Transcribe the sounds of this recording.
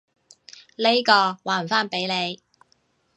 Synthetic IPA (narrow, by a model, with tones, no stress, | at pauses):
le˥jkɔː˧waː˨˩˨faː˥npe˨˥jle˨˧j